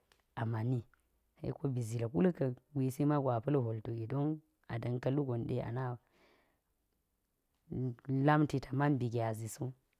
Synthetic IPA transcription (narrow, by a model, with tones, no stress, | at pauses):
a˨ma˨ni˦ | hḛ˦ko˦bi˨zi˨la˨ku˦lə˦kə˨ɡi˨si˦ma˦ɡʷa˨pɐ˦lɦo˨lto˨ɡi˨do˦ŋ | a̰˨da˨nka˦lu˦ɡo˨nɗe˦a̰˨na˦˨ | la˦mti˨tʰa˨ma˦nbi˨ɡe˨a˨zi˨su˦